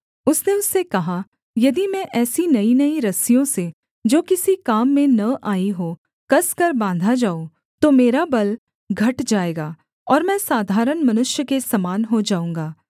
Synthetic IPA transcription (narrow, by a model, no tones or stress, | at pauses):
ʊsneʊsːekɐɦa | jɐd̪imɛ̃ʔɛːsinɐinɐiɾɐsijõse | d͡ʒoːkɪsikaːmːẽnɐʔaːiɦo | kɐskɐɾbãːnd̪ʱad͡ʒaːo | t̪omeːɾabɐl | ɡʱɐʈd͡ʒaːeːɡaː | ɔːɾmɛ̃ːsaːd̪ʱaːɾəɳmɐnʊʃjəkesɐmaːnɦod͡ʒaːũːŋɡaː